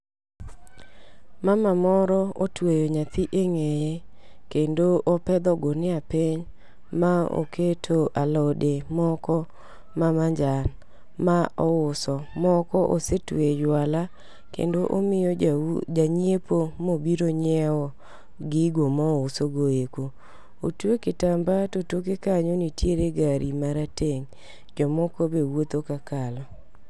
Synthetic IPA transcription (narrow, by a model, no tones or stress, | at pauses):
mamamɔɾɔotwejoɲat̪ɪʔeŋeje | kendoʔopɛd̪ɔɡonɪapɪɲ | mao̰ketʰoʔalɔdemɔkɔ | mamaɲd͡ʒan | maɔʊsɔmɔkɔʔosetwed͡ʒwala | kḛndoʔomɪjɔd͡ʒaɲepomobiɾoɲɛɔ | ɡɪɡomɔʊsoɡoeko | otwekɪtambatotokekaɲonitjeɾeɡaɾʔimaɾateŋ | d͡ʒɔmɔkobewot̪okakalɔ